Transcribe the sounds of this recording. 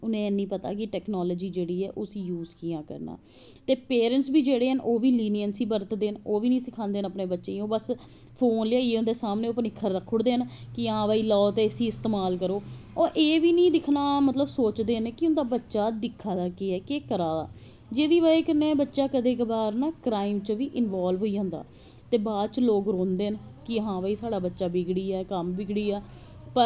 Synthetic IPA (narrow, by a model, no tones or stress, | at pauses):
ʊnẽːɛnĩːpət̪a̰ːk̬ɪʈɛːknoːləːd͡ʒiːd͡ʒeːɽiːɛːʔoːsĩːjuːzkijãːkə̰ɾna̰ː | t̪eːpeːɾəɳʈsbiːd͡ʒeːɽeːɦənʔoːʋiːliːnijənsiːbəɾt̪d̪eːənoːʋiːnĩːsɪkʰãːnd̪eːnəpneːbətːʃeːõːbəs | pʰoːnlɪjaːieːʊ̃nd̪eːsaːmneːoːpənɪkʰːəɾːəkʰːʊɽd̪eːɦənkɪãːʋaːiːlɔːt̪eːsiːɪst̪eːmaːlkəɾoːoːɾʔeːʋiːnĩːd̪ɪkʰnaːmət̪ləbsoːt͡ʃd̪eːɦnkɪʊnd̪aːbətːʃaːd̪ɪkʰːaːd̪aːkeɛːkeːkəɾaːd̪a̰ː | d͡ʒeːd̪iːʋaːekəneːbətːʃaːkəd̪eːkbaːɾnaːkɾaːɪmt͡ʃʋiːʔɪnʋaːlʋɦoːiːãːnd̪a̰ː | t̪eːbaːd̪t͡ʃloːkɾõːnd̪eːənkɪəɦãːʋaiːsaːɽaːbətːʃaːbɪɡɽiːɛːkəmbɪɡɽiːɛː | pə